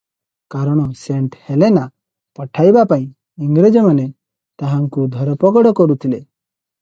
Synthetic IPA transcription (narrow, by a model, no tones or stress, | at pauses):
kaɾɔɽ̃ɔseɳʈhelena | pɔʈʰajbapaĩ | iŋɡɾed͡ʒɔmane | t̪aɦaŋkud̪ʱɔɾɔpɔɡɔɽɔkɔɾut̪ʰile